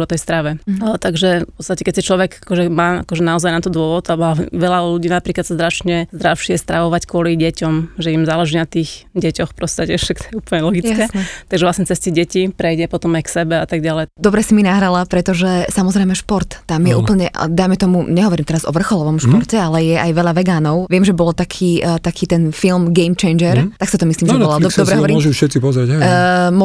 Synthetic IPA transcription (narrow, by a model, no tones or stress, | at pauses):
ɔt̪ɛjst̪ɾaʋɛt̪aɡʒɛpɔtt͡st̪acɛkɛc̚ʲsit͡ʃlɔʋɛɡakɔʒɛmaːa̰kɔʒɛnaɔzajnat̪ɔd̪ʊɔʋɔd̪abaɛʋɛʎaluɟiːnapɾiːklat̪sazd̪ɾat͡ʃɲɛzd̪ɾaʊʃɪɛst̪ɾaʋɔʋackwʊɔliɟɛcɔmʒɛimzaːlɛʒiːnat̪iːx | ɟɛcɔxpɔst̪acɛ̥ɛkt̪ɔjɛuːpl̩ɲɛlɔɡit͡skɛt̪aɡʒɛʋlasɲɛt͡sɛstɛɟɛcipɾɛjɟɛpɔt̪ɔmajksɛbɛat̪aɡ̚ɟalɛjd̪ɔbɾɛsiminaɦɾalapɾɛt̪ɔʒɛsamɔzɾɛjmɛʃpɔɾt̪ːamjɛʔṵːpl̩ɲɛʔd̪ajmɛt̪ɔmuɲɛɦɔʋɔɾiːmt̪ɛɾazɔ̰ʋr̩xɔlɔʋɔmʃpɔɾtɛalɛjɛʔajʋɛʎaʋɛɡaːnɔʊʋɪɛmʒɛbɔlt̪akʰiːt̪akʰiːt̪ɛnfilmɡɛjmt͡ʃɛjnd͡ʒɛɾt̪aksat̪ɔmisliːmʒɛɔlɔasdɔbɾɛɦɔɔɾiɔʒufʃɛt̪t͡sipɔzɾaɟɦɛm